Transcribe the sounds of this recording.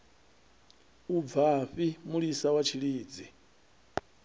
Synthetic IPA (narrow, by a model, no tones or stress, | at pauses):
ub̪vaɸimuɺisawat͡ʃʰiɺiːd͡zi